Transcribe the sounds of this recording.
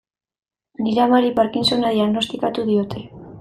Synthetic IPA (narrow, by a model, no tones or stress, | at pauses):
niɾamaɾipaɾkinsonaðiaɣno̞st̪ikat̪uðio̞t̪ʰe̞